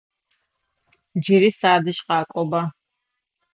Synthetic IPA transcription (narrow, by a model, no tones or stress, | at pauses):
d͡ʒiɾisaːd̪iʃqaːkʼɔba